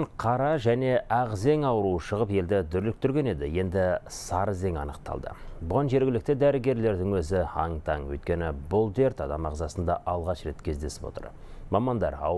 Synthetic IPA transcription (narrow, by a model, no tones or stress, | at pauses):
ɴqʰɑɾɑʒæne̞ʔæʁze̞ŋɑwɾuʃəʁəpe̞ld̪ɪd̪ʏɾlɪk̚t̪ʰʏɾɡʲe̞ne̞d̪ɪje̞nd̪ɪsɑɾəze̞ŋɑ̰nəq̚t̪ʰɑ̰lˠd̪ə̰bʊʁɑnʒe̞ɾɡʲɪlɪk̚t̪ɪd̪æɾɪɡʲe̞ɾle̞ɾd̪ɪŋwɵzɪɑŋt̪ʰɑŋwɵ̰jt̪̚kʲe̞nɪbʊlˠd̪e̞ɾt̪ɑd̪ɑmɑʁzɑsənd̪ɑʔɑlˠʁɑʃre̞t̪kʲʰe̞zd̪e̞sɪ̥pot̪ə̰ɾ | mɑmɑnd̪ɑ̰ɾɑ̰w